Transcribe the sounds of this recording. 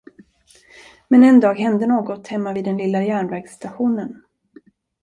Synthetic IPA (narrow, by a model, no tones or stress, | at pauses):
mɛnɛnd̪ɑːɡɦɛnd̪ənoːɡɔt̪hɛmːaviːd̪ɛnlɪlːajæːɳvæɾɡst̪aɧuːnən